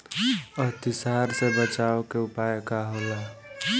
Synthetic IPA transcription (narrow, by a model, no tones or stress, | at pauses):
əɦt̪isaɾsebət͡ʃaokeupajkaɦola